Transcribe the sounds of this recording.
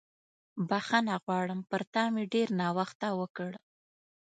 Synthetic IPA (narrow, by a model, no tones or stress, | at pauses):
baxanaɣwɑɽəmpəɾt̪ɑmeɖeɾnɑwaxt̪awəkəɽ